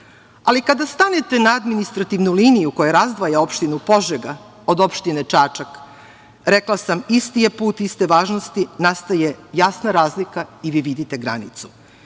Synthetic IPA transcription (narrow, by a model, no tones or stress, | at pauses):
alikad̪ast̪anet̪e̞naad̪minist̪ɾat̪iʋnuliːnijukojaɾazd̪ʋajao̞pʃt̪inupo̞ʒeɡa | od̪o̞pʃt̪inet͡ʂaːt͡ʃak | ɾeklˠasamist̪ijepuːt̪ist̪e̞ʋaːʒnost̪inast̪aje̞jasnaɾaːzlikaiʋiʋid̪it̪e̞ɡɾa̰nḭt̪su̥